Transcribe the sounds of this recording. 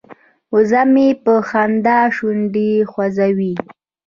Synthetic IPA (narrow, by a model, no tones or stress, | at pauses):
ʊzamepəxand̪ɑʃuɳɖixwazawi